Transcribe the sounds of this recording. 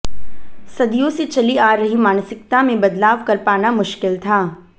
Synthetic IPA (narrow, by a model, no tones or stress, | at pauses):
sɐd̪ijõset͡ʃɐliaːɾːɐɦimaːnsɪkt̪amẽbɐd̪laːʋkɐɾpaːnamʊʃkɪlt̪ʰaː